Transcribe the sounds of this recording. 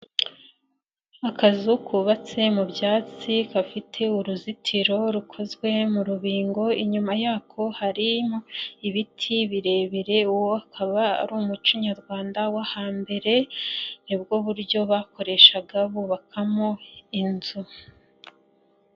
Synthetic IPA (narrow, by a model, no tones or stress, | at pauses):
akʰazukʰuːβat͡se̞mubjaːt͡sikafitʰe̞uɾuzitʰiɾo̞ɾukʰo̞zwe̞muɾuβiːŋɡo̞iɲumajaːkʰo̞haɾimoiβitʰiβiɾe̞ːβiɾe̞uwoakʰaβa̰ːɾuːmut͡ʃiɲaɾɡwaːndawahaːmbe̞ɾe̞nib̚ɡo̞βuɾjo̞βako̞ɾe̞ʃaɡaβuːβakʰamoinzu